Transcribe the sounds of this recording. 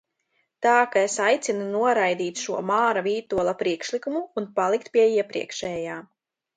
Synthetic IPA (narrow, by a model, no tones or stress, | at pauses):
t̪aːkaesajt̪sinunuɔɾajd̪iːt̪ʃuɔmaːɾaviːt̪uɔlˠapɾiɛkʃlikumuːnpalˠikt̪̚piɛiɛpɾḭɛkʃɛːjaː